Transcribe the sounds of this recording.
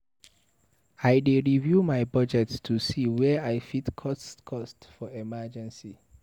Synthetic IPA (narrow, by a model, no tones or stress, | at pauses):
ajdeɹivjumaɪbɔd͡ʒɛtstʰusiwɛaɪfitkʰɔskʰɔstfɔɛmad͡ʒɛ̃nsi